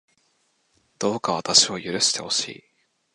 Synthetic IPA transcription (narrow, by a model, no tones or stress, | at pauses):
d̪̥o̞ːkaβ̞at̪aɕio̞jɯ̟ɾɯ̟ɕi̥t̪e̞̰ho̞ɕḭː